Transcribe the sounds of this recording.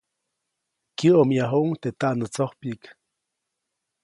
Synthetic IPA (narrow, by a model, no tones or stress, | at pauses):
kjəʔomiaɦuʔuŋt̪et̪aʔnət͡sohpik